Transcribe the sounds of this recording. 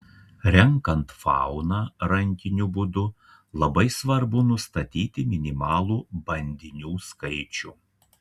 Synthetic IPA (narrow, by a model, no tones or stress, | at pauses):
ɾʲɛŋkɐnt̪fɑ̰ˑʊnɑːɾɐŋʲkʲɪnʲubʊd̪ʊ | lˠɐbɐɪsʋɐɾbʊnʊst̪ɐt̪ʲiːt̪ʲɪmʲɪnʲɪmɑːlˠuːbɐnʲd̪ʲɪnʲuːskɐɪt͡ʃʲuː